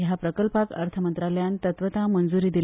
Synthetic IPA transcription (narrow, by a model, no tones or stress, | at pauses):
japɾəkəlpakə̰ɾt̪ʰəmənt̪ɾaləjant̪ət̪ʋət̪amənd͡zuɾiːd̪il